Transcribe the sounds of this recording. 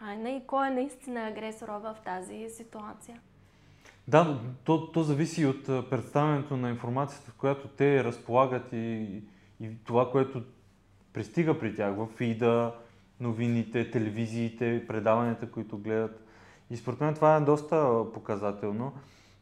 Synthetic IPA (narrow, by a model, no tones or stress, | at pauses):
ajnəikɔɛnɐist̪inəɐɡɾɛsoɾəvəft̪azisit̪uat̪sijə | d̪at̪ɔt̪ɔzɐvisiot̪ːpɾɛt̪st̪avɛnɛt̪onɐinfoɾmat̪sijə̥t̪əfkojat̪ot̪ɛɾəspolˠaɡət̪iː | t̪ovakoɛt̪o | pɾist̪iɡəpɾitʲaxvəfid̪ə | novinit̪ɛt̪ɛlɛviziːt̪ɛpɾɛd̪avɐnʲɛt̪əkoit̪oɡlɛd̪ət̪ | ispoɾɛt̪mɛnɛt̪ovaɛd̪ɔst̪əpokɐzat̪ɛlˠno